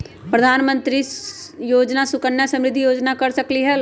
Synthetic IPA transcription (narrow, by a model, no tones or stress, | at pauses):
pɾəd̪ʱaːnmə̃nt̪ɾijoːd͡ʒnasʊkənjasɐ̃mɾɪd̪ʱijoːd͡ʒnakɐɾsəkliɦɛ